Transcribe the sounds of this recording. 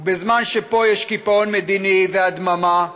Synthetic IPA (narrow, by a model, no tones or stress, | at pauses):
bezmanʃepo̞jeʃkipaonmed̪inivead̪mama